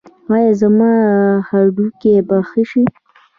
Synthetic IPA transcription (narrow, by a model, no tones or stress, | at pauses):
ɑjɑzamɑhaɾɖukebaxiʃi